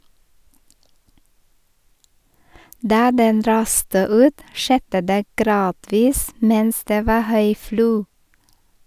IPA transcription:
ˈdɑː ˈdɛn ˈɾɑːstə ˈʉːt ˈʃɛdə ˈdeː ˈɡɾɑːdʋiːs ˈmɛns ˈdeː ˈʋɑː ˈhœʏ ˈfluː

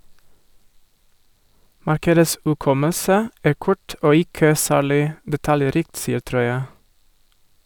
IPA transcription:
ˈmɑɾkədəs ʉˈkɔməsə ˈæː ˈkʊʈ ˈoː ˈɪkə ˈsæːɭɪ dɛˈtɑljɛˌɾiːkt ˈsiːəɾ ˈtɾɔʏə

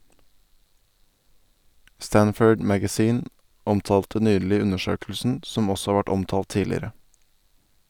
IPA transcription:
ˈstænfœɖ ˈmæɡæˌziːn ˈɔmtɑːltə ˈnyːɭɪ ˈʉnəˌʃøːklsn̩ ˈsɔm ˈɔsɔ ˈhɑːɾ ˈʋæʈ ˈɔmtɑːlt ˈtiːlɪɾə

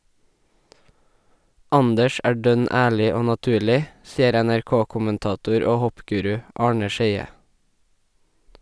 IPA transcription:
ˈɑndəʃ ˈæː ˈɖœn ə ˈæːɭɪ ˈoː nɑˈtʉːɭɪ ˈsiːəɾ ɛnæɹˈkoːkʊmənˌtɑːˌtuːɾ ə ˈoː ˈhɔpˌɡʉːɾʉ ˈʔɑːɳə ˈʃeɪə

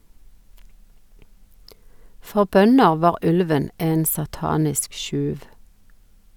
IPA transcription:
ˈfɔʁ ˈbœnəʁ ˈʋɑːʁ ˈʉlʋən ˈeːn sɑˈtɑːnɪsk ˈʃʉːʋ

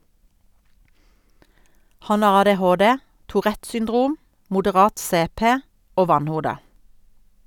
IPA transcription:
ˈhɑn ˈɑʁ ɑdɛˈhoːˌdɛ tʊˈʁɛt sʏnˈdʁuːm mʊdəˈʁɑːt ˈseːˌpeː ˈoː ˈʋɑnˌhuːdə

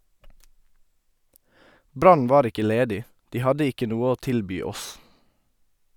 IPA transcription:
ˈbɾɑn ˈʋɑːɾ ˈɪkə ˈleːdɪ ˈdiː ˈhɑdə ˈɪkə ˈnuː ˈoː ˈtɪlbyː ˈɔs

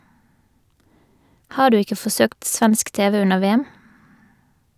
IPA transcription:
ˈhɑː ˈɖʉː ˈɪkə fɔˈsøːkt ˈsʋænsk ˈteːʋə ˈʉnəʁ ˈʋeːæm

